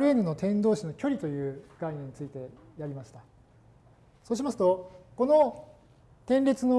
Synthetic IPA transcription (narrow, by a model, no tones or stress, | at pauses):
ɾɯenɯno̞t̪ẽ̞nd̪o̞ːɕino̞kʲo̞ɾʲit̪o̞jɯ̟ːɡ̥ainʲẽɲːit͡sɨit̪e̞ | jaɾʲimaɕi̥t̪a | so̞ːɕ̬imasɨ̥t̪oko̞no̞ | t̪ẽ̞nɾʲe̞t͡sɨno